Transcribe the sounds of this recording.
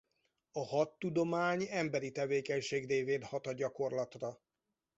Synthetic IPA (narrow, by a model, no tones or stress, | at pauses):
ɒhɒt̪ːud̪o̞maːɲɛmbɛɾit̪ɛveːkɛɲʃeːɡdeːveːnhɒt̪ɒɟɒko̞rlɒt̪rɒ